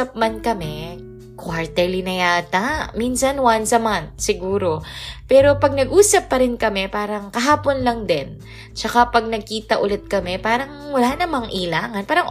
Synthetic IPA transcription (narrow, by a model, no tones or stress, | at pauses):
ɐp̚mɐnkɐmɛ | kwaɹt̪ɛɹlinɐjaːt̪aminsɐnwansɐmant̪̚sɪɡuːɾo̞pɛːɾo̞pɐɡ̚nɐɡʔuːsɐpːɐɾɪnkɐmɛpaːɾɐŋkɐɦaːponlɐŋd̪ɛn | t͡ʃɐkapɐɡ̚nɐɡ̚kiːt̪ɐʔʊlɛt̪̚kɐmɛpaːɾɐŋwɐlaːnɐmɐŋʔilaːŋɐnpaːɾɐŋ